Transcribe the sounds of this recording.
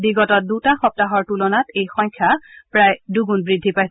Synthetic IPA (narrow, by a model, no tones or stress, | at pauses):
biɡɔtɔt̚dutaxɔp̚taɦɔɹtulɔnatejxɔjɲkʰːjapɹajduɡunbɹidʱːipaj